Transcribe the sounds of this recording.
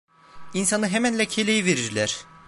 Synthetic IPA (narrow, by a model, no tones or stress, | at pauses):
insanɯɦemænlʲɛcʰelʲejiveɾidlʲæɾ̥